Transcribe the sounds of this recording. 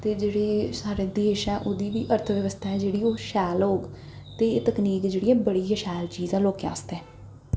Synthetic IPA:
t̪eːd͡ʒeːɽeːsaːɾeːd̪eːʃɛːʔoːd̪iːʋiːʔəɾt̪ʰəʋjəʋəst̪ʰaːɛːd͡ʒeːɽiːoːʃɛːloːɡ | t̪eːt̪əkniːkd͡ʒeːɽiːɛ̃ːbəɽiːəʃɛːlt͡ʃiːzãːloːkea̰ːst̪ɛ̃ː

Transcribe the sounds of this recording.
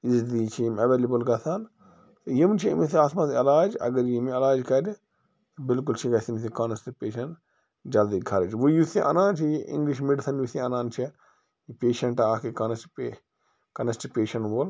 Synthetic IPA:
izd̪iːt͡ʃʰimɐʋeːlʲebɐlɡɐt̪ʰaːn | t̪jimt͡ʃʰiḭmisiaːsmɐt̪ɐlaːd͡ʒɐ̰ɡɐɾjimɐlaːd͡ʒkɐɾʲ | t̪bɪlkult͡ʃʰiɡɐsimsikɐnɐst̪ipeːʃɐn | d͡ʒɐld̪iɡʰʱɐɾɐd͡ʒʋujusiʔɐ̰naːnt͡ʃʰiʔḭŋɡliʃ̬meɖisɐnjusiɐnaːnt͡ʃʰi | ipʲeːʃɐɳʈaːkikɐnɐspe | kɐnɐst͡ʃipeːʃɐnʋoːl

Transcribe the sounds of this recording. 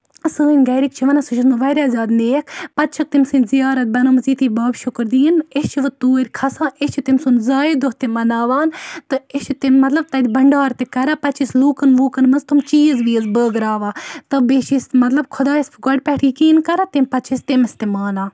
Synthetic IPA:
sɨːinʲɡɐjɾik̚t͡ʃʰiʋɐnasut͡ʃʰismɨʋɐɾʲaːzʲaːd̪neːkʰpɐt̪̚t͡ʃʰɐk̚t̪imsɨnzijaːɾɐt̪̚bɐnɐmɐziːt̪ʰiːbaːbʃʊkɾd̪iːnest͡ʃʰiʋɨt̪uːɾʲkʰɐsãːʔest͡ʃʰit̪imsunzaːjid̪oht̪imɐnaːʋaːnt̪ɨest͡ʃʰit̪immɐt̪lɐb̚t̪ɐd̪ʲibɐɳɖaːɾt̪ekɐɾapɐt͡ʃʰisluːkɐnʋuːkɐnmɐzt̪umt͡ʃiːɐzʋiːɐzbəːɡɾaːʋaːt̪ɐbet͡ʃismɐt̪lɐb̚kʰʊd̪aːispʰɨɡɔɖpɛʈʰiːkiːnkɐɾat̪impɐt̪̚t͡ʃʰist̪emɐst̪imaːnaː

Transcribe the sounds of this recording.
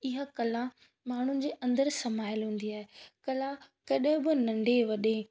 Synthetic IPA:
ɪɦakɐlã | maːɳ̤unɪ̆d͡ʑeːʔɐ̃nd̪əɾsɐmaːɪəlɦũːn̆d̪iaːɦekɐlã | kɐɗɦɪ̃bɪnɐ̃ɳɖʱeʋɐɗe

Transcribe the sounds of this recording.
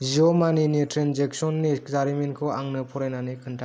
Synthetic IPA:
ziɔmaninitɾenzek̚sɔnːizaɾimenkʰɯaŋnɯpʰɔɾenanikʰɯntʰa

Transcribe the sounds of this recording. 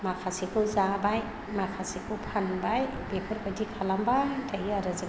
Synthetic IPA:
makʰasikʰɯzabaj | makʰasikʰɯwpʰanbaj | bepʰɔɾbajdikʰalambatajiaɾɯzɯ

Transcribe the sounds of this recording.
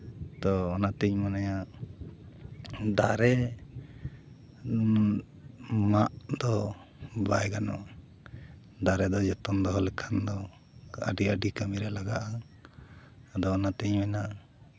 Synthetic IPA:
t̪ɔːnat̪ɛɲmanaja | d̪aɾɛ | maʔd̪ɔ | bajɡanɔ̰ | d̪aɾɛd̪ɔd͡ʒɛt̪ɔnd̪ɔɦɔlɛkʰand̪ɔ | ə̰ɖiəɖikamiɾɛlaɡaʔa | ad̪ɔːnat̪ɛɲmɛna

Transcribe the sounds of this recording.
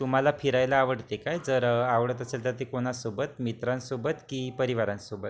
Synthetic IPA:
t̪um̤alapʰiɾajlaːʋəɽt̪ekajd͡zəɾaʋɭət̪əselt̪əɾt̪ekoɽ̃asobət̪mit̪ɾãnsobət̪kiːpəɾiʋaɾãnsobət̪

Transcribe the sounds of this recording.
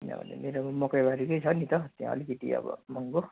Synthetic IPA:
inʌ̰bʌ̰nḛmeɾobmʌkʌjbaɾikʌjt͡sʰʌnit̪ʌt̪ijã̰ʌ̰likʌt̪ḭʌ̰bʌ̰mʌŋɡo

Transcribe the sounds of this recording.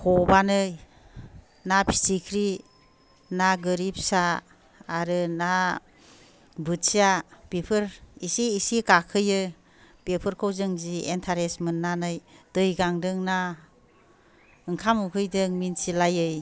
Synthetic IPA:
kʰɔbanɯj | napʰi̥sikʰɾi | naɡɯɾip̚saː | ɾɯna | bɯsiapepʰɯɾisiːsikakʰɯjɯ | pepʰɯɾkʰowzɯŋzientʰaɾesmɯnːanɯjd̥ɯjɡaŋdɯŋna | ɯŋkʰamukʰɯjdɯŋminsilajɯj

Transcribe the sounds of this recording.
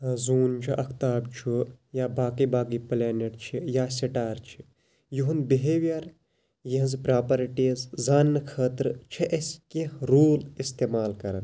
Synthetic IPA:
zuːnt͡ʃʰiʔɐkʰt̪aːbt͡ʃʰujaːbaːkibaːkiplaːneʈt͡ʃʰijaːsiʈaːɾt͡ʃʰi | juɦunbiɦeʋjɐɾ | jiɦɐzpɾaːpɐɾiʈizzaːnːɨkʰəːt̪ɾɨt͡ʃʰiʔeskeɾuːlist̪eːmaːlkɐɾɐ̰n

